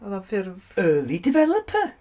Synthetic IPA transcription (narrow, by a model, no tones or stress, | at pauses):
aðafɪrvəːlˠidɪvɛlˠəpʰa